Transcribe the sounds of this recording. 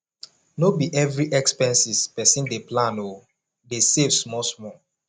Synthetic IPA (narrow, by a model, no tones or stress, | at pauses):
nobiʔɛvɾiʔɛkspɛ̃nsispɛsĩndeplãno | desevsmɔsmɔ